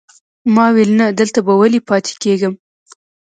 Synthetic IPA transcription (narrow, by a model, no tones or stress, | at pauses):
mɑwelnad̪əlt̪abawalipɑt̪ʰe̥keɡəm